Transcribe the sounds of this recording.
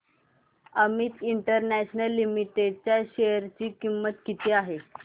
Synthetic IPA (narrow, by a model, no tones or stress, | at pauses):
əmiːt̪iɳʈəɾnæɕnəlːimiʈeɖ̚t͡ɕjaɕejəɾt͡ɕiːkimːət̪kit̪ʰeaɦe